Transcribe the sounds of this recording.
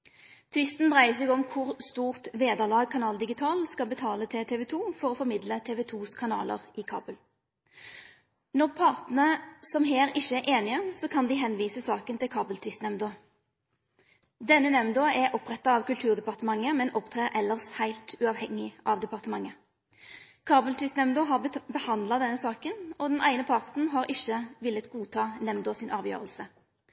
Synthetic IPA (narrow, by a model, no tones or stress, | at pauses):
t̪ʰʋɪst̪nd̪ʁæɪəsɛɡɔmkʰʊʁst̪uːʁt̪ʋeːd̪əʁlɑːɡ̚kʰɑnɑːld̪ɪɡɪt̪ʰɑːlskɑbət̪ʰɑːlət̪ʰɪt̪ʰeːʋɛt̪ʰuːfɔʁɔːfɔʁmɪd̪lət̪ʰeːʋɛt̪ʰuːskʰɑnɑ̰ːlə̰ʁɪkʰɑ̰ːbəl | nɔʁpʰɑʁt̪n̩əsɔmɦeːʁɪçːəɛʔeːnɪəsɔːkʰɑnd̪ɪɦɛnʋiːsəsɑːkənt̪ɪlkʰɑːbəlt̪ʰʋɪst̪nɛmnd̪o | d̪ɛnːənɛmnd̪oːɛɾʔɔpʁɛt̪ːɑɑʋkʉlt̪ʰʉːʁd̪ɛpɑʁt̪əmɑŋːəmɛnʔɔpt̪ʰʁeːʁʔɛlːəʁshæɪlt̪ʉɑʋhɛŋːɪʔɑʋd̪ɛpɑʁt̪əmɑŋːə | kʰɑːbəlt̪ʰʋɪst̪nɛmd̪oːɦɑbəhɑnd̪lɑd̪ɛnːəsɑːkənɔd̪ɛnʔæ̰ɪnəpʰɑʁt̪n̩ɦɑɾʔɪçːəʋɪlːət̪ɡuːt̪ʰɑːnɛmd̪oːsɪnʔɑːʋjø̰ːʁəlsə